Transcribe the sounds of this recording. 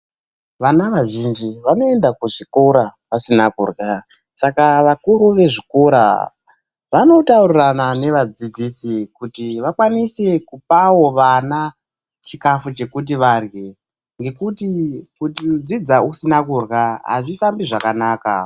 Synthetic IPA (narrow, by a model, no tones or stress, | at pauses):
ʋanaʋaʒind͡ʒiʋano̞e̞ndakuʐiko̞ɾaʋasinakṵrɣa | sakaʋakuɾuʋe̞ʐiko̞ɾa̰ | ʋano̞tauriranane̞ʋad͡zid͡zisikutiʋakwanise̞kup̚awo̞ʋana | t͡ʃikafut͡ʃe̞kut̬iʋarɣe | ŋɡe̞kutikutid͡zid͡zausinakurɣaɦa̰ʐifambiʐakanaːka̰